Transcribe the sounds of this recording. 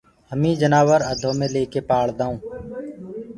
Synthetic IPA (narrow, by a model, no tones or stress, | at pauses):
həmĩːd͡ʒənaːʋəɾəd̪ʱõːmẽːleːkeːpaːɭd̪aːũː